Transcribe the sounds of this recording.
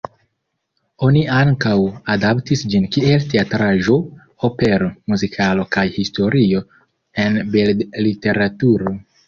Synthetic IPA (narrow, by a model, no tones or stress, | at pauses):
o̞niaŋkawadaptisd͡ʒinkie̞lteatɾaʒo̞ | ope̞ɾomuzikʰalo̞kajhisto̞ɾio̞ | e̞nbellite̞ɾatuɾo